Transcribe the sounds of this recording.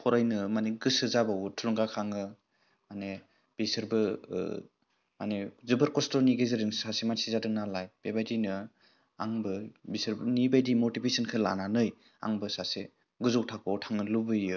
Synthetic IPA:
pʰɔɾajnɯmaneɡɯsɯzabawɯtʰuluŋkakʰaŋɯ | mane | b̥isɯɾbɯ̰ | ma̰nezɯbɯɾkɔstɔniɡezɯɾɯŋsasemansizadɯŋnalajb̥ebajdinɯ | aŋbɯbisɯɾbɯnibajdimotipʰesɯnkʰɯla̰nanɯj | a̰ŋbɯsase | ɡɯzɔwtʰak̚ʰɔtʰaŋɯlubɯjɯ

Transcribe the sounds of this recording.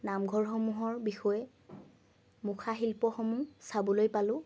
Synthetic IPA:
namɡʱɔɹxɔmuɦɔɹbixɔjɛ | mukʰaɦilpɔxɔmusabɔlojpalʊ̃

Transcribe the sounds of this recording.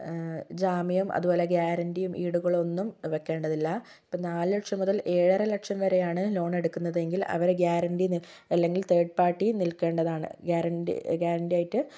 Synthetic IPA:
d͡ʑaːmijumʔɐ̰ðubo̞ːle̞ɡjaːɾɐndijumʔiːɽuɣɐɭo̞nːumʋekːe̞ːɳɖɐðilːɐ | ipːɐːnaːlɨlɐʈʂɐmːuðɐlʔe̞ːɻɐrɐlɐkʂɐmʋɐɾe̞jaːɳɨlo̞ːɳe̞ɽukːunːɐðe̞ŋɡilɐ̰ʋɐɾɡjaːɾɐnɖini | ɐlːe̞ŋɡilt̪e̞ːɖ̚paːʈːinilke̞ːɳɖɐðaːɳɨ̰ɡjaːɾɐnḭɡjaːɾɐnɖijaːjiʈːɨ

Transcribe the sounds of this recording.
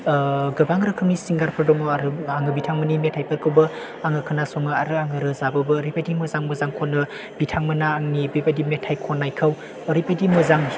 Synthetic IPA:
ɡɐbaŋɾɯkʰɯmnisiŋɡaɾpʰɯɾdɔŋɔaɾɯaŋɯbitʰaŋmɯnimetʰajpʰɯɾkʰɯwbɯ | aŋɯkʰɯnasɔŋɯaɾɯaŋɯɾɯzabɯbɯːɾipʰajdimɯzaŋmɯzaŋkʰɔnɯ | bitʰaŋmɯnaːŋnibepajdimetʰajkʰɔnːajkʰɯwː | ɾipajdimɯzaŋ

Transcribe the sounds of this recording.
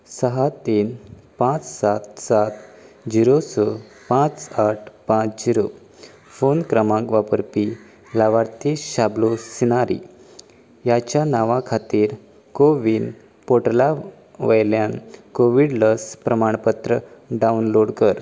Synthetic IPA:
səɦat̪iːn | pãt͡ssat̪sat̪ | d͡ʑiɾosə | pãt͡saʈ̚ʰpãt͡sd͡ʑiɾo | fonkɾəmãŋkʋapəɾpi | laʋaɽt̪iɕablosinaɾḭ | jat͡ɕjanaʋãkʰat̪iːɾ | koʋin | poʈla | ʋəjljankoʋiɽləspɾəmaɳ̃pət̪ɾəɖaunloɽkəɾ

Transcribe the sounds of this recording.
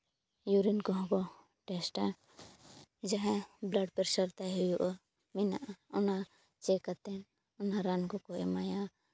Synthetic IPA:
juɾinkɔɦɔ̃kɔ | ʈɛsʈa | d͡ʒaɦɛ̃blaɖpɛɾsaɾt̪aɦɔjɔʔɔ | mina̰ʔaɔna | t͡ʃɛkat̪ɛn | ɔnaɾankɔkɔɛ̰maja

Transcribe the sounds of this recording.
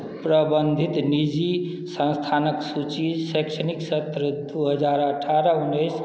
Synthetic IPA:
pɾəbənd̪ʱit̪nid͡ʒi | sə̃nst̪ʰanəksut͡ʃiseksəniksət̪ɾəd̪uɦəd͡zaɾəʈʰaɾəunːəjs

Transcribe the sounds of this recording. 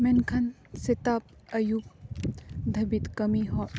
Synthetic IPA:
menkʰɐn | set̪ap̚ɐjup̚ | d̪ʱɐbit̪kɐmiɦɔʔ

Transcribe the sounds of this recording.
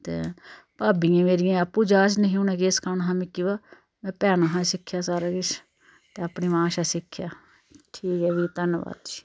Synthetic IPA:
t̪ḛː | paːbiːãːmeːɾɪjãːəpːuːd͡ʒaːt͡ʃnəɦĩuːnɛ̃ːkeːskʰaːnɦãːmɪkːiʋaː | mɛ̃ːpɛːnaːɦãːsɪkʰːjaːsaːɾaːɡɪʃ | t̪eːəpniːmãːʃaːsɪkʰːjaː | ʈʰiːkɛːʋit̪ənʋa̰ːt̪d͡ʒiː

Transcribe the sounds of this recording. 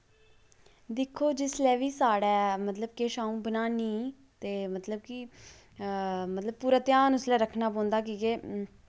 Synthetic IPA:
d̪ɪkʰːoːd͡ʒɪslɛːʋiːsaːɽɛːmət̪ləb̚keːʃaːũːbənaːniː | t̪eːmət̪ləbkɪ | mət̪ləb̚puːɾaːt̪ɪjaːnʊslɛːɾəkʰnaːpɔ̃ːnd̪aːkiːkeː

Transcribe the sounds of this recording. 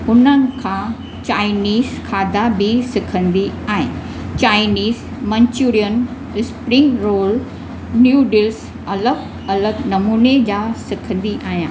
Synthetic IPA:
ʊn̤ənɪ̆kʰãː | t͡ɕaːɪniːzkʰaːd̪abisɪkʰə̃nd̪iaːɦɪ̰̃ | t͡ɕaːɪniːz | mɐ̃ɲt͡ɕuɾijən | ɪspɾɪ̃ŋɾoːl | njuːɖɪls | ɐləɡ | ɐləɡnɐmuːned͡ʑaːsɪkʰə̃nd̪iʔaːɦijã̰ː

